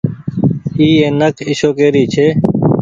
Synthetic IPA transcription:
iːeːnəkɪʃoːkeːɾiːt͡ʃʰeː

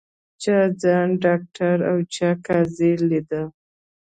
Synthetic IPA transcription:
t͡ʃɑd͡zɑnɖɑk̚ʈaɾawt͡ʃɑkɑzelid̪ə

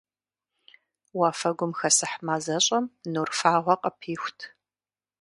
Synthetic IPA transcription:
waːfɐɡʷʊmxɐsɨħmaːzɐɕʼɐmnurfaːʁʷɔqʼɐpʰiːxʷtʰ

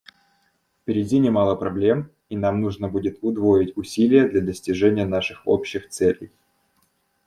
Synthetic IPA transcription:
fpʲɪɾʲɪdʲinʲɪmɑlˠəpɾɐblʲe̞m | in̪amnuʐnəbudʲɪt̪ʊd̪vo̞jɪtʲʊsʲilʲɪjəd̪lʲɐd̪əsʲtʲɪʐɛnʲɪjən̪aʂɨxo̰pɕːɪxt̪sɛlʲɪ̰j

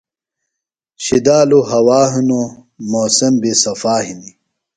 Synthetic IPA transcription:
ɕid̪aːluɦɐwaːɦuno | moːsɐmbisɐfaːɦini

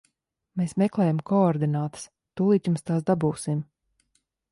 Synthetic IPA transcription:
meːsmɛklˠɛːjamkɔɔɾd̪inaːt̪ə̥s | t̪uːlˠiːt̪jumst̪aːsd̪abuːsim

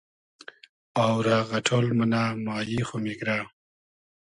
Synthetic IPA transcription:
awɾaɣɐʈʰoːlmənamaːjixomikɾa

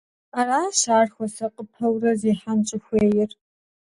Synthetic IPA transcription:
aːraːʃaːrxʷɐsɐqʼəpʰɐwrɐzeːħant͡ʃʼɪxʷeːjɪr

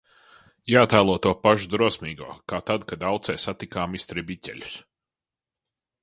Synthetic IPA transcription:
jaːt̪aːlˠuɔt̪uɔpaʒud̪ɾuɔsmiːɡuɔkaːt̪ad̪kad̪awt̪sɛːsat̪ikaːmist̪ɾibitʲɛ̰lʲu̥s

